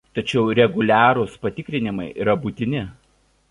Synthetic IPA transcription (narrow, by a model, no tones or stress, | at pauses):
t̪ɐt͡ʃʲɛʊɾʲɛɡʊlʲæːɾʊspɐt̪ʲɪkʲɾʲɪnʲɪmɐɪʔiːɾɐbuːt̪ʲɪnʲɪ